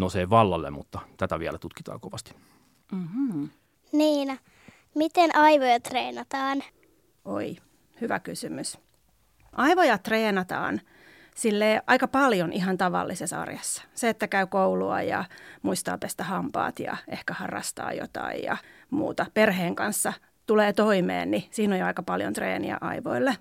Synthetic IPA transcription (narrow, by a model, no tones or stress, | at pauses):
noseʋɑlːɑlːḛmmut̪ːɑt̪æt̪æʋiælæt̪ut̪kit̪ɑ̰ːkoʋɑst̪i̥ | m̩m̩ | niːnɑ | mit̪enʔɑiʋojɑt̪reːnɑt̪ɑːn | ʔo̰i | hyʋækysymys | ʔɑiʋojɑt̪reːnɑt̪ɑ̰ːn | silːeːʔɑikɑpɑljonʔiɦɑnt̪ɑʋɑ̰lːisesɑ̰rjɑsːɑ̥seet̪ːækæykouluɑ̰jɑ̰muist̪ɑ̰ːpest̪æhɑmpɑ̰ːt̪jɑ̰ʔehkæhɑrːɑ̰st̪ɑ̰ːjo̰t̪ɑ̰ːijjɑ̰ | mṵːt̪ɑperheːŋkɑnsːɑ | t̪uleːt̪oimḛːnnisiːnojoɑikɑpɑljo̰nt̪rḛːnḭæ̰ʔɑiʋo̰ilːe